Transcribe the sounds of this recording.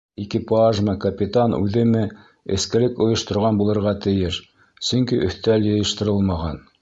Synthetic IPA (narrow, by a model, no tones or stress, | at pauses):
ikipaʒmɤkɐpʲit̪anʉ̰ðɘ̆mɘ | ɘ̰̆skɘ̆lɘkŏjŏʃt̪ŏɾʁɑnbulˠɤ̆ɾʁɑt̪ɘ̆jɘʃ | sɵŋkiʔɵ̆θt̪æljɤ̆jɤ̆ʃt̪ɤ̆ɾɤlˠmɑʁɑn